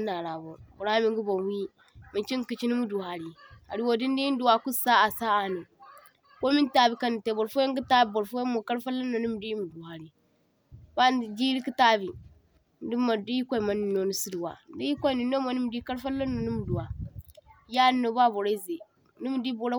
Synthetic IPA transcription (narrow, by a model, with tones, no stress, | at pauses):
na˨ɾa˨bo˨bo˨ɾa˦mi˨ŋɡi˦bo˨n˦wi˦ | mi˨t͡ʃi˦ŋ˦ki˨t͡ʃi˦ni˦mu˦du˨ha˨ɾi˨a˨ɾi˦wo˨di˦n˦di˦ji˦n˦du˨wa˨ku˦sa˦a˨sa˦a˨no˨ | ko˦mi˦ta˦bi˨ka˦n˨te˨bo˨ɾfo˦je˦ŋ˦ɡi˦ta˦bbo˨ɾfo˦je˦mo˨ka˦ɾfa˦lːa˦no˨ni˦m˨di˦ji˦mu˨du˨ha˨ɾi˨ | b̥a˦˨d͡ʒi˦ɾi˦ki˦ta˦bi˨ | n˦di˦mːa˨di˦ji˦kʷa˦i˨ma˨ni˨nːo˨ni˨si˦di˨wa̰˨n˦di˦ji˦kʷa˦i˨ni˨nːo˦mo˨ni˦m˨di˦ka˦ɾfa˦lːa˦no˨ni˦mu˨du˨wa˨˦ | ja˦nːo˨ba˦bo˨ɾa˦ze˨ | ni˦m˨di˦bo˨ɾa˦